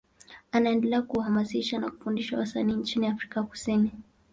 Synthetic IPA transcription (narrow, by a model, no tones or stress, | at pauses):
anaɛndɛlɛakuhamasiʃana̰ku̥fundiʃawasaniːnt͡ʃiniafɾikaku̥sini